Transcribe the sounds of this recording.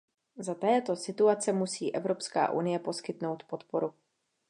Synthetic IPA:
zat̪ɛːt̪o̞sɪt̪uat͡sɛmusiːʔɛvɾo̞pska̰ːʔṵnɪjɛpo̞skɪt̪no̞wt̪po̞t̪po̞ɾu

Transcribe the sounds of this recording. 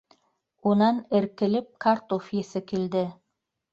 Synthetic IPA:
unɑnɘ̆ɾkɘ̆lɘp̚kʰaɾt̪ofjesɘkild̪ɘ

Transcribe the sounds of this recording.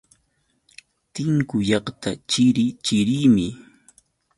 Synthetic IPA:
t̪ɪŋkʊjɑχt̪ʰat͡ʃɪɾɪt͡ʃɪɾɪːmɪ

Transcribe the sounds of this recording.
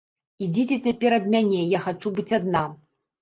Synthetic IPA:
id͡zʲit͡sʲɛt͡sʲapʲɛɾɐd̪mʲanʲɛjaxat͡ʂubɨt͡sʲad̪na

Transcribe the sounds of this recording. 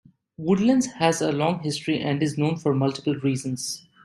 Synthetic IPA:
ʋʊɖlə̃nzhæzəlɔ̃ːŋɦɪsʈɾiʔɛ̃ɳɖɪznõːnfɔɾmʌlʈɪ̥pəlɾiːzə̃nz̥

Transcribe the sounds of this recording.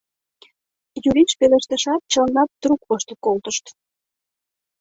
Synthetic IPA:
juɾiʃpeleʃt̪əʃɑt̪̚t͡ɕənɑt̪̚t̪rukβoʃt̪əkolt̪əʃt̪

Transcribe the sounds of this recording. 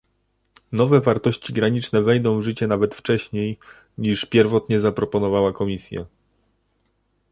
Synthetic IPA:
nɔvɛvaɾt̪ɔɕt͡ɕiɡɾaɲit͡ʂnɛvɛjd̪ɔ̃w̃vʐɘt͡ɕɛnavɛt̪ft͡ʂɛɕɲej | ɲiʂpʲjɛɾvɔt̪ɲɛzapɾɔpɔnɔvawakɔmʲisʲjɛ̰

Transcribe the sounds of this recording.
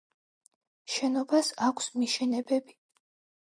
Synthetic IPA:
ʃɛnɔbasakʷʰsmiʃɛnɛbɛbi

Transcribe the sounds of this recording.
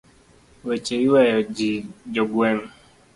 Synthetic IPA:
wet͡ʃeiwɛjɔd͡ʒid͡ʒoɡwem̩

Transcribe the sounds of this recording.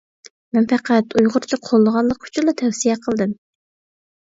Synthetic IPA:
mɛnpæqʰæt̪ʰujʁʊɾt͡ʃʰiqʰolˠːəʁɑnlˠəq̚kʰy̥t͡ʃʰilˠɑt̪ʰɛwsijɛqʰəlˠd̪ɨm

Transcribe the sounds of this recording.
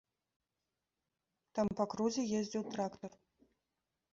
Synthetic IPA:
t̪ampɐkruzʲejezʲdʲɪwt̪rakt̪or

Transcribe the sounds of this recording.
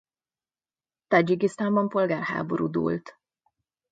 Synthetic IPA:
t̪ɒd͡ʒiɡist̪aːmbɒmpo̞lɡaːrha̰ːboɾṵːd̪ṵːlt̪

